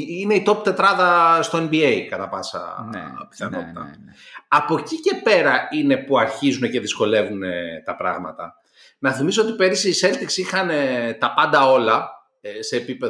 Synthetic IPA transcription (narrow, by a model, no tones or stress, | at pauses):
ine̞it̪o̞p̚t̪e̞t̪ɾɐðɐst̪o̞enbieikɐt̪ɐpɐsɐ̰pi̥θɐno̰t̪ɐ̰ɐpo̞cice̞pe̞ɾɐinepuɐɾçizune̞ce̞ðisko̞le̞vune̞t̪ɐpɾɐ̰ɣmɐ̰t̪ɐ̰ | nɐθimiso̞t̪ipe̞ɾisiːse̞lt̪iksixɐnet̪ɐpɐnd̪ɐo̞lɐ | se̞ːpipe